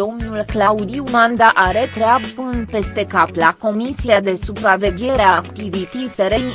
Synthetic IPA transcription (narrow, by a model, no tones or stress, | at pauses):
o̞mnulklaud̪iumand̪aʔaɾe̞t̪ɾeabɨnpe̞st̪e̞kaplako̞misiad̪e̞supɾave̞ɡʲe̞ɾeakt̪ivit̪iseɾej